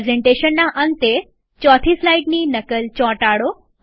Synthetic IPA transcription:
zeɳʈeːʃənːãʔənt̪e | t͡ɕɔːt̪ʰiːslaiɖniːnɐkəlt͡ɕɔ̃ːʈaːɽo

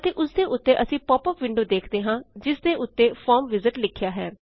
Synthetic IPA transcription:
t̪eːʔʊsd̪eːʔʊt̪ːeːʔəsĩːpɔːpəpʋɪ̃ɳɖoːd̪eːkʰd̪eːɦãːd͡ʒɪsd̪eːʔʊt̪ːeːpʰɔːɾmʋɪzɪʈlɪkʰːjaːɦɛː

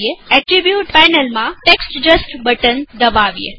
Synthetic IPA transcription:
eɛʈɾibjuʈfajnəlmãʈeksʈd͡ʒəsʈbəʈənd̪əʋaʋijḛ

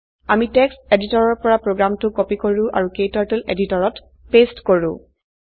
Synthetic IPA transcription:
amitɛksteditɔɹɔɹpɔɹapɹoɡɹamtʊkɔpikoɹʊ̃ʔa̰ɹukejtaɹtelḛditɔɹɔt | pestkoɹʊ̰̃

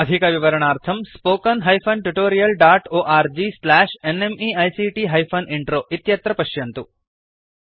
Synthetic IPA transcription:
ɐd̪ʱikɐʋiʋɐɾɐɳ̃aːɾt̪ʰɐmspoːkɐnɦɐjpʰɐnʈuʈoːɾijɐlɖaːʈoːʔaːɾd͡ʒislæːʃenemiɐjsiʈiːɦɐjfʰɐnʔiɳʈɾoːʔit̪jɐt̪ɾɐpɐʃjɐnt̪u

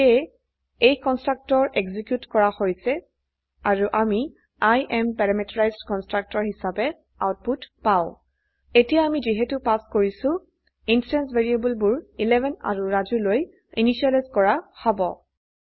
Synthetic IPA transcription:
ɛ | ejkɔnstɹak̚tɔɹʔeɡzikjutkɔɹahojsɛ | aɹuʔami | ajʔɛmpɛɹamɛtɔɹajzdkɔnstɹak̚tɔɹhisabɛ | a̰wt̚putpaʊ̃ | etijaamiziɦetupaskoɹisʊ̃ | insɹɛnsveɹiebulbʊɹilɛvʱɛna̰ɹuɹazuloj | iniʃialajzkɔɹahɔbɔ

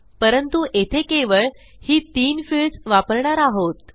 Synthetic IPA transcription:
pəɾənt̪uʔet̪ʰekeʋəɭ | hiːt̪iːnfiɭsʋapəɾɳaɾaɦot̪

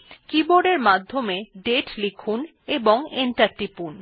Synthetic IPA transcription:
kiboɖeɾmad̪ʱːomeɖeʈlikʰun | eboŋenʈaɾʈipun

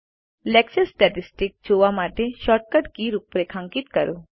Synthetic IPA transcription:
lɛksəsʈɛʈisʈikd͡ʑoʋamaʈeʃɔːʈ̚kəʈkiɾupɾekʰãŋkit̪kəɾo

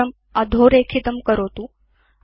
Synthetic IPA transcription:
əm | ad̪ʱoɾekʰit̪əmkəɾot̪u

